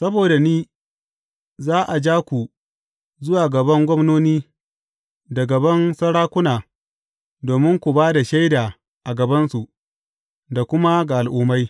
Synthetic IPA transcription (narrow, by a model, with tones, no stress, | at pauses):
sɐ˦boː˨da˨niː˦ | zaː˦ʔa˨d͡ʒaː˦kʷu˨ | zʊ˦waː˨ɡɐ˨bɐ˦ŋɡʷɐ˦mnoː˦niː˦ | da˨ɡɐ˨bɐ˦nsɐ˦ɽaː˦kʷʊ˦naː˨ | doː˨mɪ˦ŋkʷu˨baː˦da˨ʃa˦jdaː˨ | ʔa˨ɡɐ˨bɐ˦nsu˨ʔ | da˨kʷʊ˦ma˦ɡa˨ʔa˨lʔʊː˦ma˦j